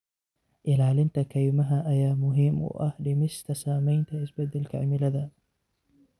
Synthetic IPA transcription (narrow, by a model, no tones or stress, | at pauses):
ʔɪlaːlɪnt̪ʰɐkʰɐjmɐɦɐʔɐjaːmʊɦimʊ̰ʔɐhɖɪmɪst̪ʰɐsaːmɛjnt̪ʰɐɪsbɐd̪ɐlkʰɐ̰ʕmɪlɐðɐ